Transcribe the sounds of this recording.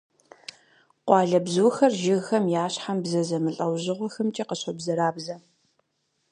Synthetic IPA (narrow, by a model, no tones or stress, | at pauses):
qʷɑːɮɐbzuːxɐrʒɪɣxɐmjaːɕħambzɐzɐmɨɬʼɐwʑɪʁʷɔxɐmt͡ʃʼiqəɕɐbzɐɾaːbzɐ